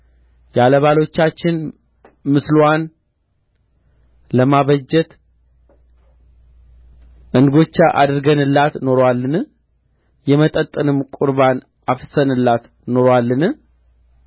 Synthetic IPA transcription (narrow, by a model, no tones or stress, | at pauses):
jaləβalo̞t͡ʃːat͡ʃːɪn | mɨslwan | ləmaβəd͡ʒːɛt̪ | ʔɨnɡo̞t͡ʃːaʔa̰d̪ɨɾɡənɨlːat̪no̞ɾwalːɨnɨ | jɛmət̪ʼət̪ʼɨnɨmkʷʼʊɾβan | afsənɨlːat̪ | no̞ɾwalːɨnɨ